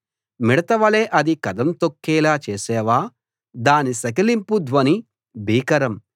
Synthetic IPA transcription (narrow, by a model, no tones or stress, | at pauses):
miɽɐt̪ɐʋɐleːʔɐd̪ikɐd̪ɐmt̪okːɛːlaːt͡ʃeːsɛːʋaː | d̪aːnisɐkɐlimpud̪ʋɐni | bʱiːkɐɾɐm